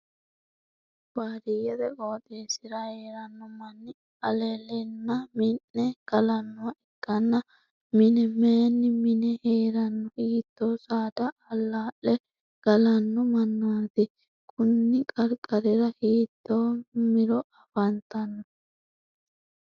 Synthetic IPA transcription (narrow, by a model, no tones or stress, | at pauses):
b̥aːɾɪjɛd̪ɛkʼoːt̪ʼeːsɪɾɐheːɾɐnːɔmɐnːɪ | ɐlɛlɛnːɐmɪnːɛɡ̥ɐlɐnːɔwɐɛkːɐnːɐ | mɪnɛmeːnːɪmɪnɛheːɾɐnːɔʔiːt̪ːoːsaːd̪ɐɐlːaːʔɛ | ɡ̥ɐlɐnːɔmɐnːɔwɐt̪ɪ | kʰʼʊnːɪkʼɐɾkʼɐɾɪɾɐhiːt̪ːoːmɪɾɔɐfɐnt̪ːɐnːɔ